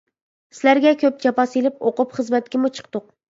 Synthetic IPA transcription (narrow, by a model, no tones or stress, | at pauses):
sɪlæɾɡʲɛkʲʰøp̚d͡ʒɑpɑselɪp̚oqʊpχəzmɛt̪̚kʲimut͡ʃʰɨ̥q̚t̪ʊq